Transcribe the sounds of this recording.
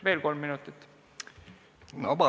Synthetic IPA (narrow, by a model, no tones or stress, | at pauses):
ʋe̞ːlko̞lmːinut̪ːˑit̪ːˑ | nobɑ